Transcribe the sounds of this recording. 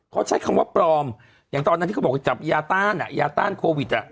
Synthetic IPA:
kʰɔː˦˥˩t͡ɕʰa˦˥˩jkʰa˧mwaː˦˥˩pɾɔː˧m | jaː˨˩ŋt̪ɔː˧na˧˥t̪iː˥˧˩a˧˥˩t͡ɕa˨˩p̚jaː˧t̪aː˥˩nʔa̰˨˩jaː˧t̪a̰ː˥˩nkʰoː˧wi˨˩t̪̚ʔa˨˩ʔ

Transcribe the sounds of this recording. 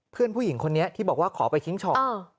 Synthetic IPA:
pʰɯ˥˩ənpʰuː˥˩ji˩˦ŋkʰo˧nːi˦˥ɐt̪ʰiː˥˩bɔː˨˩k̚waː˥˩kʰɔː˩˦pa˧jkʰi˦˥ŋt͡ɕʰɔː˨˩ɔ˧˩

